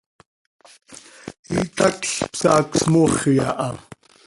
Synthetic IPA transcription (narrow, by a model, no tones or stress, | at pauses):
ḭt̪akɬpsaːksmoχjaʔam